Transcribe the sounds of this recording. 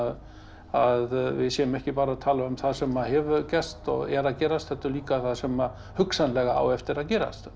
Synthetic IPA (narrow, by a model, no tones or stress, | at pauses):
ð | aðvɪ̰ðsjɛːʏmɛhcɪpaːɾaðt̪ʰaːlaʏmθaðsɛmahɛvʏcɛst̪ɔ̰ɣɛ̰ɾaðcɛːɾast̪θɛht̪ːʏliːkaθaðsɛma | hʏksanlɛɣaa̰ːwɛft̪ɪɾaðcɛːɾa̰st̪